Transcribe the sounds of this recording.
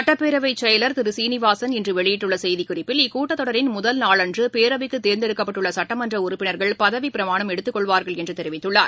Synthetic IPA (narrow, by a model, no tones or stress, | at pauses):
sɐʈːɐpːeːɾɐʋɐɪt͡ʃːɐjɐlɐɾt̪ɪɾɯsiːnɪʋaːsɐnɛndrɯʋɛɭɪjɪʈːɯɭːɐsɛjðikʊrɪpːɪlɪkːuːʈːɐt̪ːɔɽɐɾɪnmʊðɐlnaːɭɐndrɯpeːɾɐʋɪkːɯt̪ːeːɾnd̪ɛɽɯkːɐpːɐʈːɯɭːɐsɐʈːɐmɐndrɐʊɾʊpːɪnɐɾɣɐɭpɐðɐʋipɪɾɐmaːɳɐmɛɽɯt̪ːɯkːɔɭʋaːɾɣɐɭɛndrɯt̪ɛɾɪʋɪt̪ːɯɭːaːɾ